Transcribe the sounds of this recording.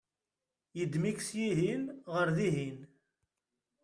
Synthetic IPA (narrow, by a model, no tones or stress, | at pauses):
jəd̪miksjiɦinʁəɾðiɦin